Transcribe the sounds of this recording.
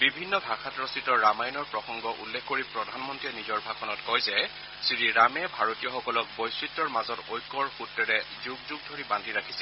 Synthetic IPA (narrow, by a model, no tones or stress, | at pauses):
bibʱinːɔbʱaxʰatɹɔsitɔɹamajnɔɹpɹɔxɔŋɡɔʔṵlːɛkʰkoɹipɹɔdʱanmɔntɹiɛnizɔɹbʱaɡkʰɔnɔtkɔjzɛ | siɹiɹamɛbʱaɹotijɔxɔkɔlɔk̚bojsɹitːɔɹmazɔtojkːɔɹxutːɛɹɛzuɡzuɡ̚dʱoɹibandʱiɹakʰisɛ